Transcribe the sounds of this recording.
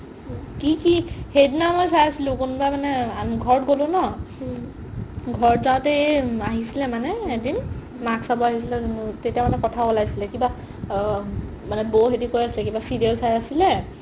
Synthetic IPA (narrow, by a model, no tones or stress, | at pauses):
kikihednamɔjsajasilũkunbajmanɛaɡʱɔɹtɡolʊ̃nɔ | ɡʱɔɹzatɛaɦisilɛmanɛedin | maksabɔaɦis̬ilɛntetiamanɛkɔtʰaɔlajsilɛkiba | manɛboɦetikojasilɛkibasidiɔlsajasilɛ